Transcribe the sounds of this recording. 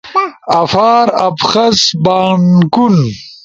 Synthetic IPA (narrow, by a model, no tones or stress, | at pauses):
ɐfaːɾɐpxɐsbaːnkun